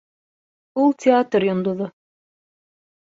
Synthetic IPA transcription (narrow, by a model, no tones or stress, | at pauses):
ulˠtʲɪat̪rjŏnd̪ŏðo